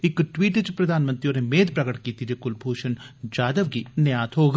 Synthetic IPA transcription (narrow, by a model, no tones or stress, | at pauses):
ɪkʈwiːʈt͡ʃpɾɐd̪ʱaːnmə̃nt̪ɾijõːnemeːd̪pɾɐɡəʈkiːt̪id͡ʒekʊlbʱoːʃən | d͡ʒaːd̪əʋɡinejaːt̪ɦoːɡ